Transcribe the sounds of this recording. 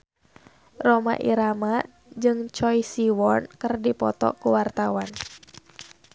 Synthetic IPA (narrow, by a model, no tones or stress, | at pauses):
rɔma̰ʔḭɾama | d͡ʒɨŋt͡ʃɔjsiwɔnkərdipɔt̪ɔ̰kuwart̪awan